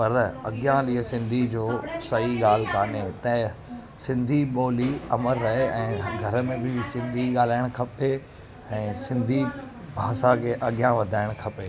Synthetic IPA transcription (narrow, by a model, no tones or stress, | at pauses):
pɐɾɐ̰ɠɪjãliːəsɪ̃nd̪ʱid͡ʑoːsɐɦiɠaːl̤kaːnet̪ɐ̃ɦɪ̃ | sɪ̃nd̪ʱiɓoːliɐ̰məɾːɐɦeɛ̃ːɡʱɐɾə̆mẽbɪsɪ̃nd̪ʱiɠaːl̤aːɪɽ̃kʰɐpe | ɛ̃ːsɪ̃nd̪ʱi | bʱaːsakʰeːʔɐɠjãʋɐd̪ʱaːɪɽ̃kʰɐpeː